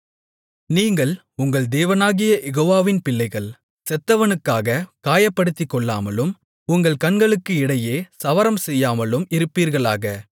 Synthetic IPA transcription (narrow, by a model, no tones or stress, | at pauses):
niːŋɡɐɭ | ʊŋɡɐɭd̪eːʋɐnaːɣɪjɐʔɛɣoːʋaːʋɪnpɪlːɐɪɣɐɭ | sɛt̪ːɐʋɐnɯkːaːɣɐkaːjɐpːɐɽɯt̪ːɪkːɔɭːa̰ːmɐlɯm | ʊŋɡɐɭkɐnɡɐɭɯkːɯɪɽɐjeːsɐʋɐɾɐmsɛjːaːmɐlɯmɪɾɯpːiːɾɣɐɭaːɣɐ